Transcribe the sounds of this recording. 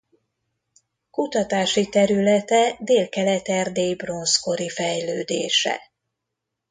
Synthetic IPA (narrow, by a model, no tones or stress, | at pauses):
kut̪ɒt̪aːʃit̪ɛɾylɛt̪ɛd̪eːlkɛlɛt̪ɛrd̪eːjbro̞nsko̞ɾifɛjløːd̪ḛːʃɛ̰